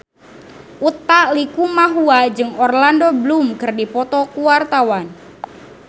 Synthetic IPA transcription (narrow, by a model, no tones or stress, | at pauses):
ʔut̪ːalikumaɦuad͡ʒɨŋɔrlandoblumkɨrdipɔt̪ɔkuwart̪awan